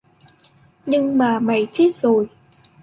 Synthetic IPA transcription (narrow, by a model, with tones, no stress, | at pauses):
ɲɨ˧ŋmaː˨˩ma̰˧˩˦jt͡ɕe˦˥t̚zo˨˩j